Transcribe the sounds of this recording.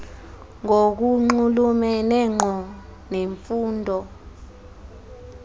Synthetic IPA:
ŋok̬uŋ͡ǃulumɛnɛŋ͡ǃʱɔneɱfuːndʱɔ

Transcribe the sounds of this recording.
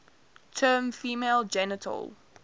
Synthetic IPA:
tʰɜːmfiːmeːlˠd͡ʒɛnətʰə̰lˠ

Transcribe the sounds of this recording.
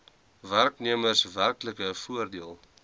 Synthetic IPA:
værkniəmərsværkləkəfuərdiəlˠ

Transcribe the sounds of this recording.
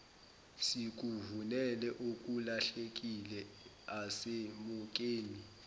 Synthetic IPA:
sik̬uvunɛlɛʔukʼulaɬek̬ʼilɛ | asemuk̬ʼeːni

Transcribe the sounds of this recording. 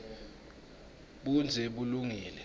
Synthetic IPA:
ɓund͡zʱɛɓuluŋiːlɛ

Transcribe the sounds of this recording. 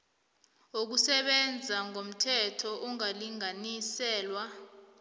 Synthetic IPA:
ok̬usɛɓɛnd͡zʱaŋom̩tʰɛtʰɔʔuŋaliŋanisɛːlwa

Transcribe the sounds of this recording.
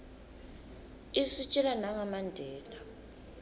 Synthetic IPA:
isit͡ʃʼilanaŋamandʱɛːla

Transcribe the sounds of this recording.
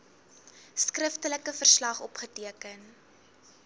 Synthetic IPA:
skrəftələkəfərslɐχɔpχətiəkən

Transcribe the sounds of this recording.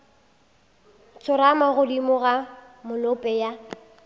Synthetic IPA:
t͡sʰʊɾamaɣʊdimʊɣa | mʊlʊpʼɛja

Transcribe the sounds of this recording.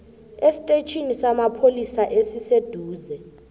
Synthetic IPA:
esi̥tʼet͡ʃʰʼinisamapʰolisaʔesised̥ʱuːzɛ

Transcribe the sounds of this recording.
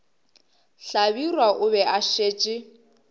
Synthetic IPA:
ɬabirwaʔʊβɛʔaʃeːt͡ʃʼɪ

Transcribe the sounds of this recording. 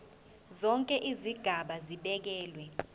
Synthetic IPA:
zɔŋkʼɛʔiziɡ̥ʱaɓaziɓɛk̬ɛːlwɛ

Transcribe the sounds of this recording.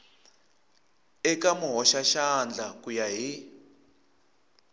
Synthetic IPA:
ɛkamuɦɔʃaʃand͡ɮʱakujaɦi

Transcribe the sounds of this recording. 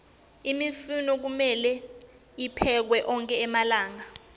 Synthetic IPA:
imifunɔk̬umɛlɛ | ipʰɛk̬wɛʔɔŋkʼɛːmalaːŋa

